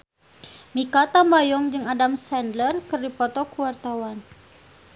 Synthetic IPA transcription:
mikat̪ambajɔŋd͡ʒɨŋadamsɛndlərkərdipɔt̪ɔkuwart̪awan

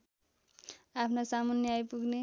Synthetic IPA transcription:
apʰnosamʌnjʌajpuɡne

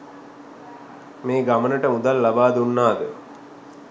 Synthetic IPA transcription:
meːɡamənəʈəmud̪alːabaːd̪unːaːd̪ə̰

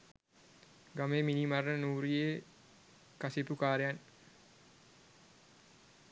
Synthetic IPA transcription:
ɡameminimaɾənuɾie | kasipukaːɾjan

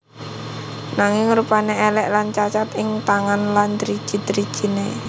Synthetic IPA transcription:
naŋɪŋɾupaneɛlɛʔlant͡ʃat͡ʃat̪ɪŋt̪aŋanland̪ɾi̥ʒ̥i̤d̪ɾi̥ʒ̥i̤ne

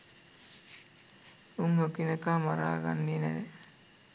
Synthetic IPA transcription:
uŋokinəkaːmaɾa̰ːɡa̰nːiːnæʋe

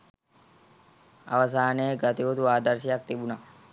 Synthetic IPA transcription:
ʔɐ̰wɐs̬aːneːɡɐt̪ɪɔt̪ʊwaːd̪ɐɾsɪɐk̚t̪ɪbʊnɐ

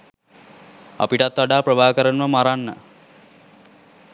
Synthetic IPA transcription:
a̰piʈat̪ːʋaɖaːprəbaːkəɾənʋəmaɾanːə̰

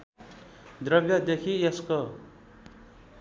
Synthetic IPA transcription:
d̪ɾʌbjʌd̪ekʰiesko

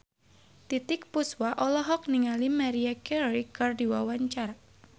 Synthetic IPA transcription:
t̪it̪ɪk̚puswaʔɔlɔɦɔk̚niŋalimaɾiakɛikɔrdiwawaɲt͡ʃar

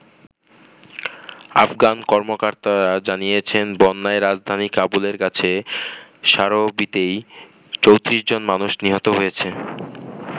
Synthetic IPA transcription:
a̰fɡankɔɾmokaɾt̪aɾad͡ʑanijet͡ɕʰenbɔnːaeɾad͡ʑd̪ʱanikabuleɾkat͡ɕʰe | ʃaɾobit̪ej | t͡ɕowt̪ɾiʃd͡ʑonmanuʃniɦɔt̪oɦojet͡ɕʰe

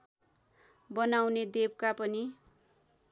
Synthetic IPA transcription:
bʌnawned̪eb̚kapʌni

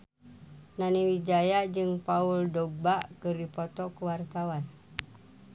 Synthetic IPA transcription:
naniwid͡ʒajad͡ʒɨŋpauldobaʔkɨrdipɔt̪ɔkuwart̪awan

